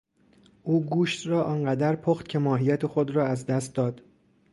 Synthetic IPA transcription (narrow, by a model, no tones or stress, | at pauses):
ʔuːɡuːʃt̪rɒːʔɒːnɢæd̪æɾpʰoːχt̪cʰe̞mɒːɦijæt̪ʰe̞xod̪ɾɒːæzd̪æst̪̚d̪ɒːd̪̥